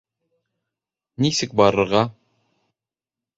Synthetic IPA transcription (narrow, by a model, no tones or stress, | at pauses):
nisɘk̚bɑɾɤ̆ɾʁɑ